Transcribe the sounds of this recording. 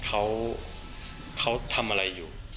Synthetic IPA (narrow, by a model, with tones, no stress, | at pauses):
kʰa˦˥w | kʰa˦˥wt̪ʰa˧mʔa˧a˧jːuː˨˩